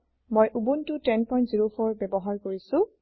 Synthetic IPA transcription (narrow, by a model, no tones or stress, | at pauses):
mojʔubuntʊtɛnpɔj̃ntziɹofʰɔɹbɛbɔɦaɹkoɹisʊ̃